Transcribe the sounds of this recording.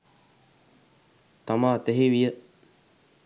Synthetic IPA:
t̪amaːt̪ɛɦiʋijə

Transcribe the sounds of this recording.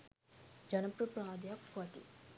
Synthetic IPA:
d͡ʒɐnɐpɾɐpɾaːd̪jakɐt̪ḭ

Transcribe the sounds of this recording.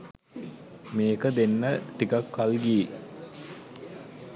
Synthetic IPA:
meːkəd̪enːəʈikakːalɡie

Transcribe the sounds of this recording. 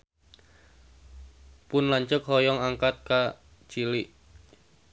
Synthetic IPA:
pʊnlaɲt͡ʃək̚hɔjɔŋaŋkat̪̚ka | t͡ʃiliʔ

